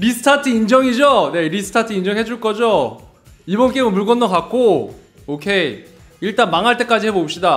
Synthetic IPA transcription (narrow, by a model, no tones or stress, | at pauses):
ɾisʰɯ̥tʰatʰɯind͡ʑʌŋid͡ʑone̞ɾisʰɯ̥tʰatʰɯind͡ʑʌŋɦe̞d͡ʑuɭk͈ʌd͡ʑo | ibʌnk͈emɯmpuɭɡʌnːʌkak̚k͈o | okʰe̞i | iɭt͈anmaŋɦaɭt͈e̞k͈ad͡ʑihebopɕ͈ida